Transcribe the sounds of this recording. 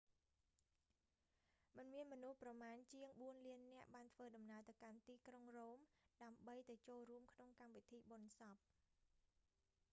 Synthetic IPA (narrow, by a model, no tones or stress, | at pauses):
mɨnmiənmɔnuhprɑmaːnt͡ɕiəŋɓuənliənːɛ̆əʔɓaːnt̪ʰʋəːɗɑmnaət̪awkant̪iːkroŋroːmɗaəmɓəjt̪aɛt͡ɕoːlruəmkʰnoŋkamʋit̪ʰiːɓonsɑp̚